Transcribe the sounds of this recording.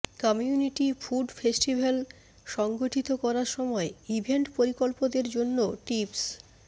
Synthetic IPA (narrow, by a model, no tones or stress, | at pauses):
kɔmiuniʈifʰuɖfesʈibʱal | ʃɔŋɡoʈʰit̪okɔɾaɾʃɔmɔeibʱeɳʈpoɾikolpod̪eɾd͡ʑonːoʈips